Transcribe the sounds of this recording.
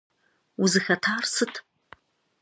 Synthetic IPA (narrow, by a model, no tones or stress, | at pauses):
uzɨxɐtʰaːrsɨtʰ